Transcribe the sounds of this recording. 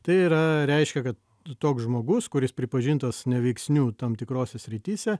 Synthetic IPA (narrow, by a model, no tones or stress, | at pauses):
t̪ɐɪiːɾɐɾʲɛɪʃʲkʲɛkɐt̪ | t̪oːksʒmoːɡʊskʊɾʲɪspʲɾʲɪpɐʒʲiːnt̪ɐsnʲɛʋʲɛɪksʲnʲuːt̪ɐmt̪ʲɪkɾoːsʲɛsʲɾʲɪt̪ʲiːsʲɛ